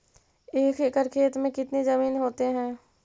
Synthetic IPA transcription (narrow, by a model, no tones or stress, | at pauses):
eːkʰekəɾkʰeːt̪mẽkɪt̪nezɐmiːnɦoːt̪eɦɛ̃ː